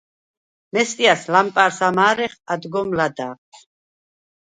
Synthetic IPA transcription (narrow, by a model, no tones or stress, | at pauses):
mɛst̪ʼiaslampʼaɾsamaːɾɛχad̪ɡɔmlad̪aːʁʰ